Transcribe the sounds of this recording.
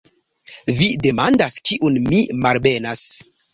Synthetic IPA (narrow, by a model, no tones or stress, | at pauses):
videmandaskiʔunmimalbenas